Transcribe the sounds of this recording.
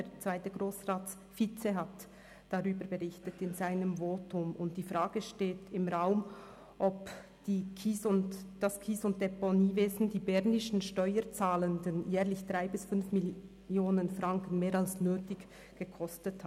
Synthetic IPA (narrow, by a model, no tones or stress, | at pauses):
det͡sv̥aɪtəɡʁoːsʁaːt | fit͡seɦat | d̥aʁyːbəɾbəʁɪçtətɪnzaɪnəmvoːtʰʊmʊnt̚d̥iːfʁaːɡ̥əʃteːtɪmʁaʊm | ʔɔp | d̥iːkʰiːsʊd̥askʰiːsʊnt̚d̥ɛpɔniːveːzn̩diːbɛʁnɪʃn̩ʃtɔʏəɾt͡saːləndənjɛːʁlɪçd̥ʁaɪbɪsfʏnfmɪ | joːnənfʁaŋkən̩meːɾalsnøːtɪç | ɡ̥əkʰɔstətha